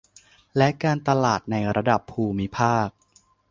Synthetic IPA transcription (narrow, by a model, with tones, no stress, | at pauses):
lɛ˦˥ʔkaː˧nt̪a˧laː˨˩t̪̚na˧jɾa˧da˨˩pʰːuː˧mi˦˥pʰaː˥˩k̚